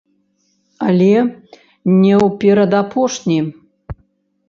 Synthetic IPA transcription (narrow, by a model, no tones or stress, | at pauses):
alʲe | nʲewpʲeɾɐd̪apʰoʂnʲi